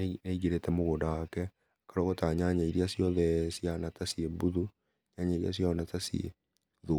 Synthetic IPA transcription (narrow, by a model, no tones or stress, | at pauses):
neiɣeɾetɛmoɣoːndawakɛ | akaɾoɣotaɲaɲaiɾiasiɔðɛsianatasiebuðu | ɲaɲaiɾia̰s̬jɔnatasiḛ | ðo